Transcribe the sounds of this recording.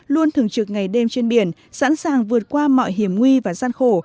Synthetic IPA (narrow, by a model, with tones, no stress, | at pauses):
lu˧ənt̪ʰɨ˨˩əŋt͡ɕɨ˨˩k̚ŋa˨˩jɗe˧mt͡ɕe˧nɓi˧˩ən | sa̰˧˥nsaː˨˩ŋvɨ˨˩ət̚kwaː˧mɔ̰˧˨jɦi˧˩əmŋwi˧vaː˨˩zaː˧nxo˧˩